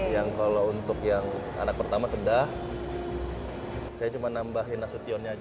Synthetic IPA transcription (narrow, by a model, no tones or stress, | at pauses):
jaŋkalount̪ʊkjaŋ | a̰nak̚pərt̪amasəndah | sajat͡ʃumanambaɦinasut̪iɔnɲa